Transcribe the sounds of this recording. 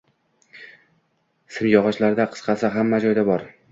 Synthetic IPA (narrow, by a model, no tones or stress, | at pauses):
sɪmjɒʁɑʃlaɾd̪aqʰɨ̥sqʰɑsɪɦamːad͡ʒɒjd̪abɒɾ